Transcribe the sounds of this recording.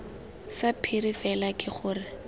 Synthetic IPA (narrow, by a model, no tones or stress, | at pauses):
sapʰirifɛlakʼɪχʊːrɪ